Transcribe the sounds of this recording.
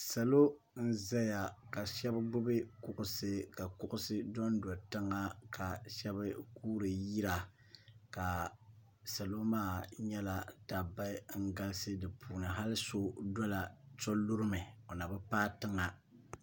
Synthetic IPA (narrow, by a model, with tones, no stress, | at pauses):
sa˨lo˦ | n̩˦za˦ja˨ka˨ʃɛ˦bɨ˦bʊ˦bɨ˦kʊ˨ʔʊ˨sɨ˦ka˨kʊ˦ʔʊ˦sɨ˦dɔ˦ndɔ˨tɨ˦ŋa˦ka˨ʃɛ˦bɨ˦kuː˦ɾɨ˨ji˦ɾa˨ | ka˨ | sa˨lo˦maː˦˨ɲɛ˦la˨ta˨ba˦ɪ˦ŋ̩˦ɡa˦lsɨ˦dɨ˨pʰuː˨nɨ˨ɦa˦lɨ˦so˦dɔ˦la˨t͡ʃo˦lu˦ɾɨ˦mɨ˨o˨na˨bɨ˦paː˦tɨ˦ŋa˨